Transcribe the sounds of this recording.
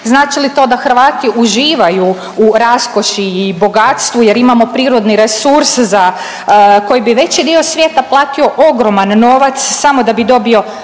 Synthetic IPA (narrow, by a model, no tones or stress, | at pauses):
znaːt͡ʃilit̪o̞ːd̪axɾ̩ʋaːt̪iuʒiːʋaju | uɾasko̞ʃiːbo̞ɡat̪st̪ʋuje̞ɾimamo̞pɾiːɾo̞d̪niɾesuɾsza | ko̞jibiʋe̞t͡ɕid̪io̞sʋje̞ːt̪aplˠaːt̪io̞ʔo̞ɡɾo̞manːo̞ːʋat̪ssamo̞d̪abid̪o̞bio̞